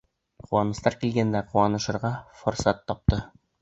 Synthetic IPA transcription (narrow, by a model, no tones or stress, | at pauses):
quwɑnɤ̆st̪ɑɾkilɡænd̪æquwɑnɤ̆ʃɤ̆ɾʁɑfŏɾsɑt̪ːɒp̚t̪ɤ